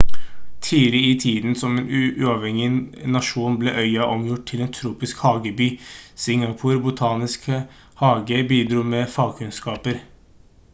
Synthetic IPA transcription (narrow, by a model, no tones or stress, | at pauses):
t̪ʰiːɾɪɪt̪ʰiːd̪n̩sɔmeːnʔʉːɑʋhɛŋɪnɑʂuːnblḛːʔœʏɑʔɔmjʊʈ̚t̪ʰɪleːnt̪ʰɾuːpɪskhɑːɡəbyːsɪŋɑpʰʊːɾbʊt̪ʰɑːnɪskə | hɑːɡəbiːd̪ɾuːmeːfɑːɡkʰʉnskɑːpəɾ